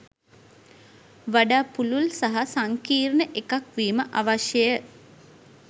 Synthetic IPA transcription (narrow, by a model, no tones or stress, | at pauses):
ʋaɖaːpululsaɦasaŋkiːɾnəʔekakʋiːməʔaʋaʃjəjə